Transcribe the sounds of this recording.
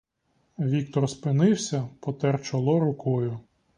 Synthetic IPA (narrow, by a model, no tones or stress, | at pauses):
ʋʲik̚t̪ɔrspɪnɪwsʲɐpɔt̪ɛrt͡ʃɔlˠɔɾʊkɔjʊ